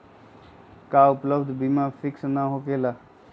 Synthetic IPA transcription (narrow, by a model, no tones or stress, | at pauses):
kaːʊpləbd̪bimafʰɪksnaɦokeːlaː